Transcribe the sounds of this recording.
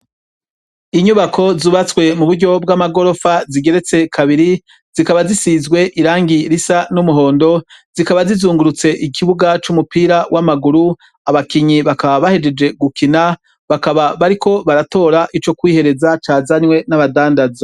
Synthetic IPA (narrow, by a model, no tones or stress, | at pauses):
iɲuβakʰo̞zuːβat͡swe̞muβuɾɟo̞b̚ɡamaɡo̞ɾo̞faziɡe̞ɾe̞t͡se̞kʰaβiɾi | z̥ikaβazisizɡwe̞ʔiɾaːŋɡiɾisanumuɦo̞ːndo̞z̥ikaβazizuːŋɡuɾut͡se̞ʔikʰiβuɡat͡ʃumupiːɾawamaɡuɾu | aβakiɲiβakaβaβahe̞d͡ʒe̞d͡ʒe̞ɡukina | βakaβaβaɾiko̞βaɾato̞ːɾaʔit͡ʃo̞kwiːhe̞ɾe̞zat͡ʃaːzaɲwe̞naβadaːndaza